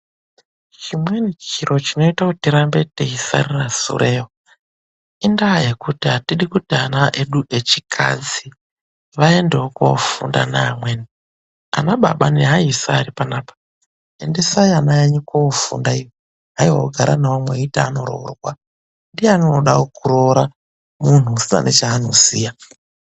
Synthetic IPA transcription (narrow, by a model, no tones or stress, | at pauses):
t͡ʃimwenit͡ʃiɾʔot͡ʃino̞itakutiɾambeteisa̰ɾirasṵɾʔeɦo | indaaje̞kutiɦatiɗikutianaʔeɗuʔet͡ʃikʰa̰d͡zi | ʋaendeokoo̰fṵndanaːmweni | a̰naɓa̰ɓaniɦaisaːɾipanaːpḁ | endesaianaeɲikoofṵndaijo | ɦaiɦaooɡʱaɾʔanaamweitaːno̞ɾo̰rwa | ndieanoɗaokuɾoɾa | mun̤uːsina̰nʔet͡ʃaːnosiːja